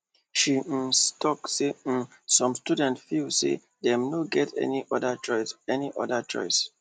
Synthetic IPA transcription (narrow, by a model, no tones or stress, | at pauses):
ʃistʰɔkse | sɔ̃mstudɛ̃ntfilsḛ | dɛ̃mnoɡɛtʰɛ̰niʔɔdaɔɛniʔɔdat͡ʃɔ̰ɪs